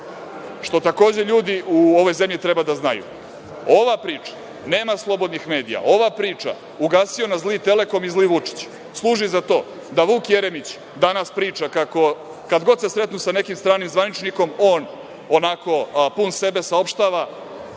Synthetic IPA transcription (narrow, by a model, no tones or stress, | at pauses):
ʂt̪o̞t̪ako̞ːd͡ʑeʎuːd̪iuo̞ʋo̞jze̞mʎit̪ɾe̞bad̪aznajṵ | o̞ʋapɾiːt͡ʂḁ | ne̞ːmaslˠo̞bo̞d̪nixme̞ːd̪ḭja̰ʔo̞ʋapɾiːt͡ʂa̰ | uɡaːsio̞nazlit̪e̞le̞ko̞mizliʋut͡ʂi̥t͡ɕ | slˠuːʒizat̪o̞ː | d̪aʋuːkjeɾe̞mit͡ɕ | d̪anaspɾiːt͡ʂakako̞ | kad̪ɡo̞d̪se̞sɾe̞t̪nusane̞kimst̪ɾaːnimzʋanit͡ʃniko̞mo̞ːn | onako̞punse̞be̞sao̞pʃt̪aːʋa